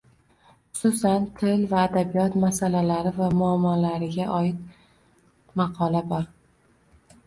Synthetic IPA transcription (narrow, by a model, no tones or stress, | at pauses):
χʊ̥sʊsant̪ʰɪlvaːd̪abijɒt̪masalalaɾɪvamʊamːɒlaɾɪɡʲaʔɒɪt̪̚ | mɑqʰɒlabɒɾ